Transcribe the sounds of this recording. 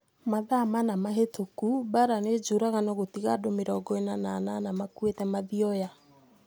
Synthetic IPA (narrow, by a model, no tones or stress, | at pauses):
maðamanamaɦetokubaɾaned͡ʒoɾaɣanɔɣotiɣadomeɾɔɡɔenanananamakwetɛmaðiɔja